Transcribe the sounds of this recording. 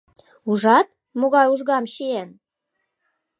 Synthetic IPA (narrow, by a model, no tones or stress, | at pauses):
uʒɑt̪̚ | moɣɑjuʒɣɑmɕien